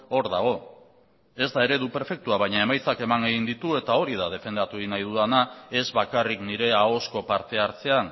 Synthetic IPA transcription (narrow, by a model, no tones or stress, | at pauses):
o̞ɾðaɣ̞o̞ | e̞zd̪ae̞ɾe̞ðupe̞ɾfe̞k̚t̪uaβajɲae̞majt͡sake̞maŋeɣind̪it̪ue̞t̪ao̞ɾið̞aðe̞fe̞nd̪at̪uinajðuðanae̞zβakarikniɾe̞ao̞sko̞paɾt̪e̞aɾt͡se̞an